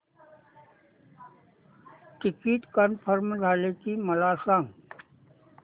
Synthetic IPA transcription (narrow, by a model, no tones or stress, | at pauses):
ʈɪkiːʈkənpʰəɾmzʱaːleːk̪iməlaːsaːŋɡ